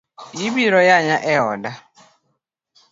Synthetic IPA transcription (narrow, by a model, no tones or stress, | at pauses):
jibiɾɔjaɲãʔɛɔda